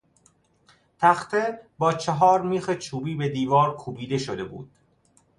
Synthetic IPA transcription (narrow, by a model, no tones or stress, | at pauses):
t̪ʰæxt̪ʰebɒːt͡ʃʰeɦɒːɾmiːxet͡ʃʰuːbiːbe̞d̪iːvɒːɾkʰuːbiːd̪e̞ʃod̪e̞bṵːd̪̥